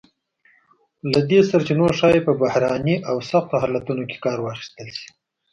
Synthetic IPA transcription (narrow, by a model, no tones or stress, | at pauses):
lad̪esaɾat͡ʃinoɾʃɑjepəbahɾɑniʔawsaxt̪oɦɑlat̪unoke̥kɑɾwɑxi̥st̪əlʃi̥